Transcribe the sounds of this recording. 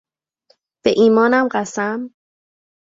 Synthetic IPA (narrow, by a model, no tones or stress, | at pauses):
b̥eʔiːmɒːnæmɢæsæm